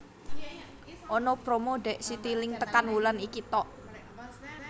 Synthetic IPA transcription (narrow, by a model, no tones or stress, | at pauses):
ʔɔnɔpɾomoɖɛʔsit̪ilɪŋt̪əkanwulanikit̪ɔʔ